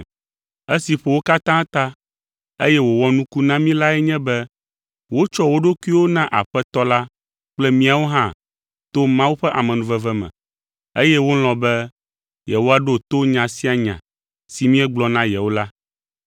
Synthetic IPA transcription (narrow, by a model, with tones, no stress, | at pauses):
e˦si˨ɸe˨wo˦ka˦t̪ã˦t̪a˦ | e˦jɛ˦wo˨wɔ˦nũ˦ku˦nã˦mĩ˦la˦ɛ˦ɲɛ̃˦bɛ˦ | wo˦t͡ʃɔ˦wo˦ɖo˦ku˦i˦wo˦nã˦ʔa̰˨ɸɛ˦t̪ɔ˦la˦ | k͡plɛ˦mĩ˦a˨wo˦ɦã˦ | t̪o˦mã˦wu˦ɸɛ˦ʔa˨mɛ̃˨nũ˨vɛ˦˨vɛ˦mɛ̰̃˨ | e˦jɛ˦wo˦l̃ɔ̃˨bɛ˦ | jɛ˨wo˦a˨ɖo˦˨t̪o˦ɲã˨si˦a˨ɲã̰˨ | si˨mĩ˦ɛ˦ɡ͡blɔ˨nã˦jɛ˨wo˦la˦